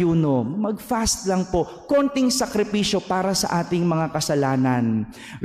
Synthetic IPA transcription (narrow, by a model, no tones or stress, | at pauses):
uːno̞mɐɡ̚fast̪lɐŋpo̞ | kont̪ɪŋsɐkɾɪpiːʃo̞paːɾɐsɐ̰ʔaːt̪ɪŋmɐŋakɐsɐlaːnɐn